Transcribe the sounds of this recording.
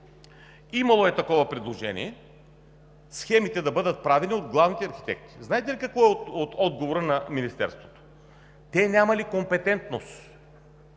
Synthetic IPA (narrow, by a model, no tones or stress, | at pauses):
imɐlˠoɛt̪ɐkɔvɐpɾɛd̪lˠoʒɛnḭɛ | sxɛmit̪ɛd̪ɐbɤd̪ət̪̚pɾavɛniod̪ɡlˠavnit̪ɛɐɾxi̥t̪ɛ̰k̚t̪i̥znaɛt̪ɛlikɐkvɔɛoot̪ɔd̪ɡovoɾənɐminist̪ɛ̰ɾst̪vot̪o̥ | t̪ɛnʲamɐlikompɛt̪ɛnt̪nost̪